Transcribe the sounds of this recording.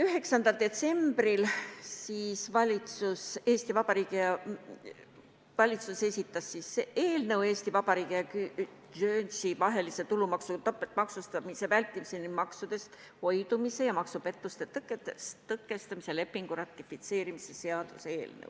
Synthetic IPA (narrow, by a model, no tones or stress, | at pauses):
yɦe̞ksɑnd̪̥ɑld̪̥e̞t̪se̞mb̥rilsiːsvɑlʲit̪suseːst̪ivɑb̥ɑɾiːɡ̥ijɑ | vɑlʲit̪suse̞sʲit̪ːˑɑsːiseʔeːlnɤwe̞ːst̪ivɑbɑɾiːɡ̥ijɑky | ʒøːnsivɑɦe̞lise̞t̪ulumɑksut̪ɑpːˑet̪ːmɑksust̪ɑmise̞vælʲt̪ːˑimisenimɑksud̪e̞st̪ | ho̞jd̪umise̞jɑmɑksupe̞t̪ːˑust̪e̞t̪kːet̪st̪ɤkːˑe̞st̪ɑmisele̞pːiŋɡ̥uɾɑt̪ːˑifit̪se̞ːɾimisese̞ɑd̪̥useeːlnə̰w